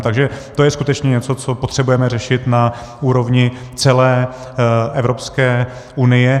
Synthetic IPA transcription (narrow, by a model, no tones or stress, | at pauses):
t̪aɡʒɛt̪ojɛskut̪ɛt͡ʃɲɛɲɛt͡so̞t͡so̞po̞t̪r̝̥ɛbujɛmɛrɛʃɪt̪na | ʔuːɾo̞vɲɪ | t͡sɛlɛː | ʔɛvɾopskɛː | ʔunɪjɛ